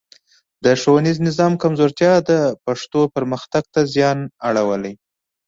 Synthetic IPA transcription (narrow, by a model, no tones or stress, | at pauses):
d̪əʂowaniznɪzɑmkamzoɾt̪jɑd̪əpaʂt̪opəɾməxt̪aɡ̚t̪azjɑnaɽawəlaj